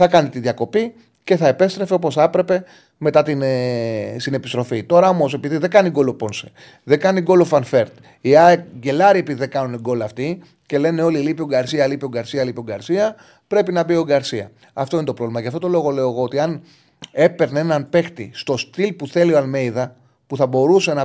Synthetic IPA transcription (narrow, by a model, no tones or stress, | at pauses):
θɐkɐnit̪iðʝɐko̞pi | ce̞θɐepe̞st̪ɾe̞feopo̞sɐpɾe̞pe̞ | me̞t̪ɐt̪in | sine̞pist̪ɾo̞fit̪o̞ɾɐo̞mo̞se̞piðiðe̞ɡɐniɡolopo̞nse̥ | ðe̞kɐniɡo̞lofɐnfe̞ɾt̪ | iɐɟe̞lɐɾie̞piðiðekɐnuniɡo̞lɐft̪i | ce̞le̞neo̞lilipioŋɡɐɾsiɐlipio̞ŋɡɐɾsiɐlipioŋɡɐɾsiɐ | pɾe̞pinɐbio̞ɡɐɾsiɐ̰ | ɐft̪oinet̪o̞pɾo̞vlimɐʝɐft̪o̞t̪o̞lo̞ɣo̞le̞oeɣo̞ot̪iɐn | e̞pe̞ɾneenɐnpe̞xt̪ist̪o̞st̪ilpuθe̞lioɐlme̞jðɐ | puθɐbo̞ɾuse̞nɐ